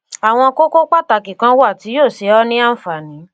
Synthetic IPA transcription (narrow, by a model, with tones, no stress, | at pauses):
a˨w̃ɔ̃˧ko˦ko˦k͡pa˦˨ta˧˨kĩ˨kã˧˦wa˦˨ti˨˦joː˦˨ʃe˨˦ɔ˦nĩ˦a˦n̩˦fa˨nĩ˨˦